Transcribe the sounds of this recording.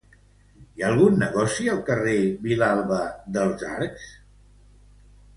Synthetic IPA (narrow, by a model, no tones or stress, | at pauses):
iaːlˠɣunːəɣɔsiəlˠkəreβilalˠβəðəlˠza̰ɾks